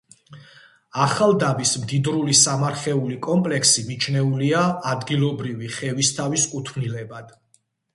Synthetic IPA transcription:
aχalˠd̪abismd̪id̪ɾulisamaɾχɛulikʼɔmpʼlɛksimit͡ʃʰnɛuliaːd̪ɡilˠɔbɾiviχɛvist̪ʰaviskʼut̪ʰmnilɛbad̪̥

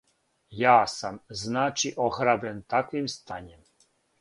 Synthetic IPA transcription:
jaːsamznaːt͡ʃiʔoxɾabent̪akʋimst̪aːɲem

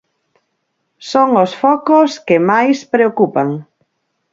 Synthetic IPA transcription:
soŋosfɔkoskɪmajspɾeokupaŋ

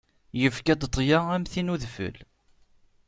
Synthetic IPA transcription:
jəfkæd̪t̪ˤːjaæmθinuðfə̰l

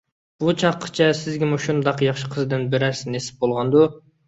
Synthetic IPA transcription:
b̥ut͡ʃʰɑqʰːə̥t͡ʃʰɑsɪzɡʲɪmuʃund̪ɑqjɑχʃɨqʰəzd̪ɨnbeɾæsɪnesɪ̥p̚bolˠʁɑnd̪u

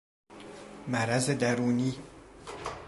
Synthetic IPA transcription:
mæɾæzed̪æɾuːniː

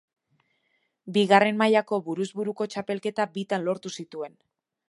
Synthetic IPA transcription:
biɣare̞nmajako̞βuɾuzβuɾuko̞t͡ʃape̞lke̞t̪abit̪anlo̞ɾt̪usit̪ue̞n

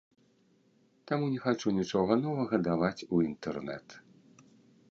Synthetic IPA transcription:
t̪amunʲɛxat͡ʂunʲit͡ʂɔɣɐnɔvɐɣɐd̪avat͡sʲuint̪ɛrnɛ̰t̪

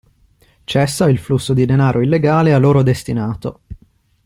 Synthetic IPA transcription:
t͡ʃɛsːailflusːod̪id̪enaːɾʔoilːeɡaːlealːoːɾod̪est̪inaːt̪o

